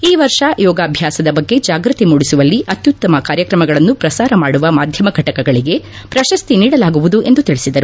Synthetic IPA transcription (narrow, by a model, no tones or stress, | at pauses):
iːʋɐɾʂajɔːɡaːbʱjaːsɐd̪ɐbɐɡːe̞d͡ʒaːɡɾɨt̪imuːɽisuʋɐlːiʔɐt̪jut̪ːɐmɐkaːɾjɐkɾɐmɐɡɐɭɐnːupɾɐsaːɾɐmaːɽuʋɐmaːd̪ʱjɐmɐɡʱɐʈɐkɐɡɐɭiɡe̞ | pɾɐʃɐst̪iniːɽɐlaːɡuʋud̪uʔe̞nd̪ut̪iɭisid̪ɐɾu